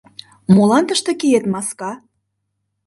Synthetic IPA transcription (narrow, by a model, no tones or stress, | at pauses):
molɑnt̪əʃt̪ɤ̆kijet̪mɑskɑ